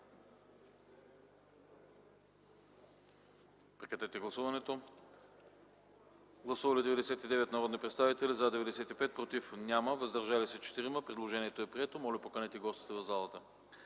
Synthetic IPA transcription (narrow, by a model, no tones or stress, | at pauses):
pɾɛkɾɐt̪ɛt̪ɛɡlˠɐsuvɐnɛt̪o | ɡlˠɐsuvɐlʲid̪ɛvɛd̪ɛsɛt̪id̪ɛvɛt̪nɐɾɔd̪nipɾɛt̪st̪avit̪ɛlizad̪ɛvɛd̪ɛsɛt̪ipɛt̪̚pɾot̪ifnʲaməvɐzd̪ɐɾʒalisɛt͡ʃɛ̥t̪iɾiməpɾɛd̪lˠoʒɛniɛt̪oɛpɾiɛt̪omɔlʲɛpokɐnɛt̪ɛɡɔst̪i̥t̪ɛvɐvzalˠɐt̪ə